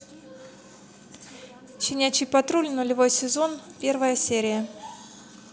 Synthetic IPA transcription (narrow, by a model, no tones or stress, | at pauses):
ɕɪnʲæt͡ɕɪjpɐt̪ɾulʲnʊlʲɪvo̞jsʲɪzo̞npʲe̞rvəjəsʲeɾʲɪjə